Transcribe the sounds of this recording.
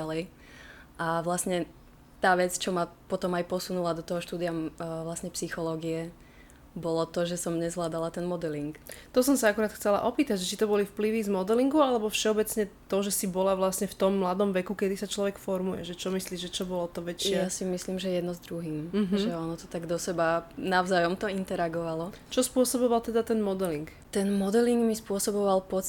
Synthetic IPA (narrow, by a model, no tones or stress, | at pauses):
alɛj | ʔaʋlasɲɛ | t̪aːʋɛt͡st͡ʃɔmapɔt̪ɔmajpɔsunulad̪ɔt̪ɔɦɔʃt̪uːd̪ijaʋlasɲɛpsixɔlɔːɡiɛ | bɔlɔt̪ɔʒɛsɔmɲɛzʋlaːd̪alat̪ɛnmɔd̪ɛliŋkt̪ɔsɔmsaakuɾaːt̪xt͡sɛla̰ʔɔpiːt̪aɟʒɛt͡ʃit̪ɔbɔlifpliʋizmɔd̪ɛliŋɡuʊalɛbɔfʃɛɔbɛt͡sɲɛt̪ɔʒɛsibɔlaʋlasɲɛft̪ɔmːlad̪ɔmʋɛkukɛd̪isat͡ʃlɔʋɛkfɔɾmujɛ̰ʒɛt͡ʃɔmisliːʒʒɛt͡ʃɔbɔlɔt̪ɔʋɛt͡ʃɪɛasimisliːmʒɛjɛjɛd̪nɔzd̪ɾuɦiːm̩ɦʒɛɔnɔt̪ɔ̥t̪aɡd̪ɔsɛbanaʊzaːjɔmt̪ɔint̪ɛɾaɡɔʋalɔt͡ʃɔspʊɔsɔbɔʋalt̪ɛd̪at̪ɛnmɔd̪ɛliŋk | t̪ɛnmɔd̪ɛliŋɡmispʊɔsɔbɔʋalpɔt͡s